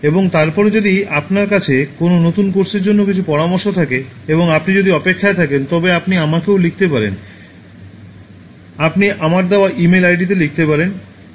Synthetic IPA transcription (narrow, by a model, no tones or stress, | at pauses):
eboŋt̪aɾpɔɾd͡ʑod̪iapnaɾkat͡ɕʰekononot̪unkoɾʃeɾd͡ʑonːokit͡ɕʰupɔɾamoɾʃot̪ʰakeeboŋapnid͡ʑod̪iɔpekʰːaet̪ʰakent̪ɔbeapniamakewlik̚ʰt̪epaɾḛn | apniʔamaɾd̪eoaʔimelajɖit̪̬elik̚t̪epaɾen